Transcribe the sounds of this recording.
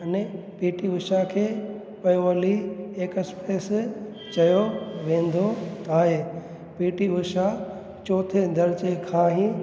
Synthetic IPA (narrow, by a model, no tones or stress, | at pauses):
ɐne | peːʈiʋʊʃakʰeː | pɐjoʋəlieːkɐspeːs | t͡ɕɐjoʋẽːn̆d̪ʱot̪ʰaːɦe | piːʈiʋʊʃa | t͡ɕoːt̪ʰend̪ɐɾt͡ɕekʰaːɦĩ